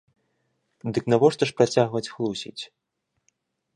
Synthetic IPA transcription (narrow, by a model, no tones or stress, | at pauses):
d̪ɨknavɔʂt̪ɐʂpɾat͡sʲaɣvɐt͡sʲxlˠusʲḭt͡sʲ